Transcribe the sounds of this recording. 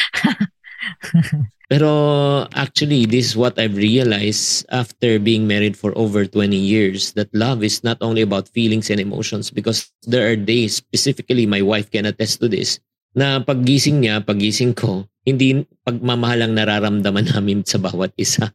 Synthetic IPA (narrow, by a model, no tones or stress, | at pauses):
pɛɾoʔa̰k̚t͡ʃuɐlid̪ɪsɪswɔt̪ɐjvɹiɐlajsʔaft̪ɛɹbiːɪ̃ŋmɛɹɪd̪fɔɹʔo̰vɛɹt̪wɛnijɪɹsd̪ɐt̪̚lɐvɪsnɐt̪ʔonliɐbawt̪fiːlɪŋsɛnd̪ɛmo̰wʃɔnsbɪkɔs | d̪ɛɹʔaɹd̪ejsːpɛsɪfɪkɐlimajwajfkɛnɐt̪ːɛst̪ːʊd̪ɪ̰s | nɐpɐɡ̚ːiːsɪŋɲapɐɡiːsɪŋkʰohɪnd̪ipɐɡ̚mamɐhalɐŋnɐɾaːɾɐmd̪ɐmɐnaːmɪnsɐba̰ːwɐt̪̚ʔɪsa